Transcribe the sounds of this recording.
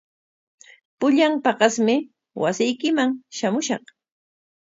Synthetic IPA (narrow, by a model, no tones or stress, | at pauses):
pʊʎampɑɢɑsmɪ | wa̰sɪjkɪmaŋʃamʊʃɑχ